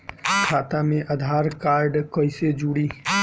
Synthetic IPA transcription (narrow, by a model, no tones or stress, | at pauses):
kʰaːt̪amẽʔəd̪ʱaːɾkaːɾɖkəɪsed͡ʒuɽiː